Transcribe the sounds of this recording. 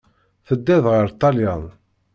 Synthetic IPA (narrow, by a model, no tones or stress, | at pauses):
θəd̪ːæðʁəɾt̪ˤːɑljɑn